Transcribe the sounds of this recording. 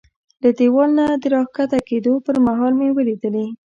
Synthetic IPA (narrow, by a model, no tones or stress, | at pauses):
lad̪ewɑlnad̪əɾɑhkat̪aked̪opəɾmaɦɑlmewəlid̪əli